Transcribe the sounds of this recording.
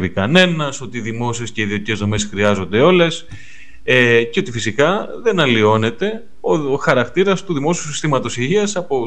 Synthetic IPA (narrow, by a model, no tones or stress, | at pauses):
vikɐne̞nɐso̞t̪iðimo̞sie̞sce̞iðio̞t̪ice̞zðo̞mesxɾiɐzo̞nd̪e̞o̞le̞s | eceo̞t̪ifisikɐðe̞nɐlio̞ne̞t̪e̞ | oxɐɾɐkt̪iɾɐst̪uðimo̞siusist̪imɐt̪o̞siʝiɐsɐpo